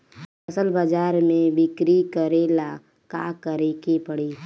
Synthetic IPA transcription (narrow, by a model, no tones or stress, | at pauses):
ɐsəlbad͡ʒaːɾmẽʋɪkɾikəɾeːla | ka̰kəɾekipəɽiː